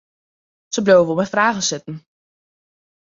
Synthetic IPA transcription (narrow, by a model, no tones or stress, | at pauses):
səblowvomɛfraːɣənsɪtn̩